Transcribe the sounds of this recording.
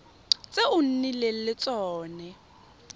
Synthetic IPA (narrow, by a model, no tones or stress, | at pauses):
t͡sʼeʊn̩nilel̩lɪt͡sʼɔːnɛ